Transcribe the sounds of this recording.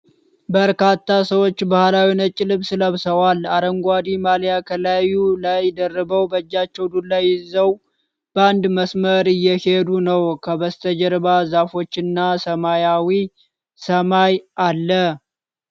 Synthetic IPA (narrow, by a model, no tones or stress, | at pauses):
bəɾkat̪ʰːasəwo̞t͡ʃːbahlawinət͡ʃʼːɪlɨβsɨləβsəwalaɾəŋɡʷad̪imaljakʰəlajulajd̪ərːəbəwbəd͡ʒːat͡ʃːɛwd̪ulajːɪzəw | b̥əand̪məsməɾɨjːɛhe̞d̪unəwkʰəβəst̪ʰəd͡ʒəɾbazafo̞t͡ʃːɪnːasəmajawi | səmajʔalːə